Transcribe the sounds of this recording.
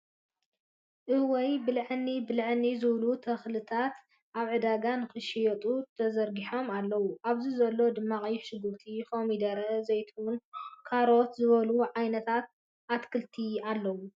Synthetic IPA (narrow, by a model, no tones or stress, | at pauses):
ʔɨwɔjbɨlʕɨnːibɨlʕɨnːizɨβlut̪ʰɐxlɨt̪ʰat̪ | ʔaβʕɨd̪aɡanɨxɨʃijɐt̪ʼut̪ʰɐzɐɾɡiħo̞malːɐwuʔaβzizɐlːo̞d̪ɨmːaχʼiʃɨɡuɾt̪ʰikomid̪ɐɾɐzɐjt̪ʰwunkʰaɾo̞t̪zɨβɐluʕajnɐt̪ʰat̪̚ | ʔat̪kʰɨlt̪ʰialːɐwu